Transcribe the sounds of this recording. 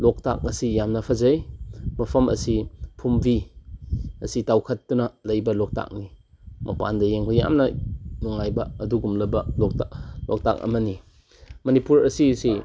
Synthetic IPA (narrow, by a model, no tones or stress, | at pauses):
lok̚ta̰k̚ɐsijamnɐpʰɐzɐjmɐpʰɐmɐ̰sipʰumbʱi | ɐsitawkʰɐt̚ːunɐlɐjbɐlok̚ta̰k̚ni | mʔɐpa̰ndɐjeŋkʰoja̰mnɐnuŋajbɐɐduɡumlɐbɐlok̚talok̚ta̰k̚ɐ̰mɐni | mɐnipuɾɐsisi